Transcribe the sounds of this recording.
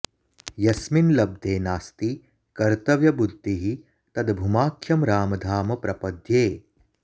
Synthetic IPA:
jɐsminlɐb̚d̪ʱeːnaːst̪i | kɐɾt̪ɐʋjɐbud̪ʱːiɦi | t̪ɐd̪bʱumaːkʰːjɐmɾaːmɐd̪ʱaːmɐpɾɐpɐd̪ʱjeː

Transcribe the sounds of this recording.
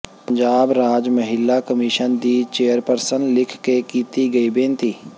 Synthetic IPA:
pəɲd͡ʒaːbɾaːd͡ʒməɦɪlːakəmɪʃənd̪iːt͡ʃeːəɾpəɾsənlɪkʰkekiːt̪iɡəibẽːnt̪iː

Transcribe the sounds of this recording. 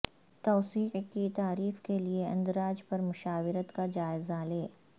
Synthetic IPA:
t̪ɔːsiːqkit̪aːɾiːfkelieɐ̰̃nd̪ɾaːd͡ʒpɐɾmʊʃaːwɪɾət̪kad͡ʒaːɪzaleː

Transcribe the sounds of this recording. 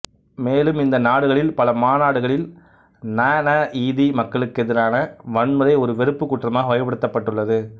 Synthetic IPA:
meːlɯmɪnd̪ɐnaːɽɯɣɐɭɪlpɐlɐmaːnaːɽɯɣɐɭɪl | naːnaʔiːðimɐkːɐɭɯkːɛðɪɾaːnɐʋɐɳmɐɾɐɪɔɾɯʋɛɾɯpːɯkːʊʈːrɐmaːɣɐʋɐjɐpːɐɽɯt̪ːɐpːɐʈːɯɭːɐðɯ

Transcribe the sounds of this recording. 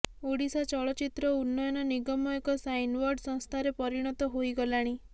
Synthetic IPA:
oɽisat͡ʃɔɭɔt͡ʃit̪ɾɔunːɔjɔnɔniɡɔmɔekɔsajnwɔɾɖsɔ̃ŋ̃st̪ʰaɾepɔɾiɽ̃ɔt̪ɔɦojɡɔlaɽ̃i

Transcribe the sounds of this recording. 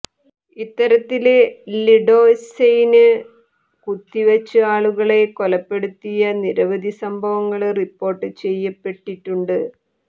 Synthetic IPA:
it̪ːɐɾɐt̪ːilliɖo̞ːsejinɨ | kut̪ːiʋɐt͡ɕːɨaːɭuɣɐɭe̞kolɐpːe̞ɽut̪ːijɐniɾɐʋɐd̪ʱisɐmbʱɐʋɐŋːɐɭripːo̞ːrʈːɨt͡ɕe̞jːɐpːe̞ʈːiʈːuɳɖɨ

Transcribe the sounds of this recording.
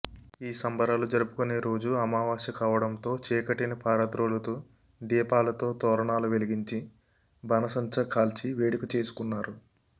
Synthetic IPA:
iːsɐmbɐɾaːlud͡ʒɐɾupu̥kune̞ːɾo̞ːd͡ʒuɐmaːʋaːʃɐkaːʋɐɽɐnt̪o̞ːt͡ʃɛːkɐʈinɐpʰaːɾɐt̪ɾoːlɐt̪oː | d̪iːpaːlɐt̪o̞ːt̪ɔːɾɐɳaːluʋe̞liɡiɲt͡ʃi | bʱɐnɐsɐɲt͡ʃɐkʰaːlt͡ʃiʋeːɽikut͡ʃe̞ːsu̥kunːaːɾu

